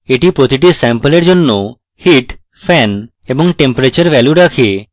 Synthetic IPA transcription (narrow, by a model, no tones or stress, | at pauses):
eʈipɾot̪iʈ̬isɛmpəleɾd͡ʑonːo | hiʈ | pʰɛn | ebɔŋʈempɾet͡ɕəɾʋɛljuɾakʰe